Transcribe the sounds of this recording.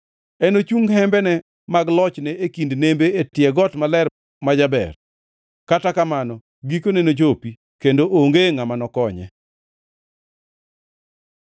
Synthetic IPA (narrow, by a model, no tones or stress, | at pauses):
ɛnot͡ʃuŋhɛmbɛnɛ | maɡlɔt͡ʃnɛekindnembeetjɛɡɔtmalɛɾ | mad͡ʒabɛ̰r | katakamanɔ | ɡikonɛnod͡ʒopi | kendoʔoŋɡeŋamanɔkɔɲɛ̰